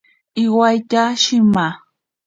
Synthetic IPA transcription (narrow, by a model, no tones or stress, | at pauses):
ɪwajt̪aʃɪma